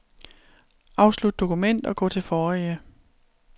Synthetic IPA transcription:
ʔɑ̈ʊslud̥̚d̥o̝kʰumen̰d̥ɒ̽ɡ̥ɔ̰̽ːt͡sʰe̝lfɒːiə

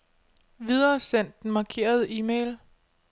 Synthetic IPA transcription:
ʋið̞ˠɐːsen̰d̥n̩mɑ̈kʰe̝̰ːɐð̞̩ˠiːmel

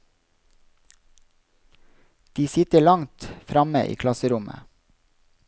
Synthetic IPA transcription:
d̪̥iːsɪt̪əɭɑŋt̪fɾɑməʔḭːkʰlɑsəɾʊmʔə̰

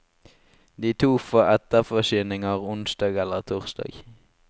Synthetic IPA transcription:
d̪iːt̪ʰuːfoːɛt̪əʁfɔʃyːnɪŋəʁʊnsd̪ɑːɡɛlːəʁt̪ʰʊːʁsd̪ɑ̰ːɡ

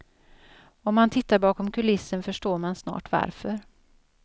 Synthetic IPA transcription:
ɔmːant̪ʰɪt̪ːaɾbɑːkɔmkʰɵlɪsːənfœʂʈoːɾmansnɑ̰ːʈva̰ɾfœɾ

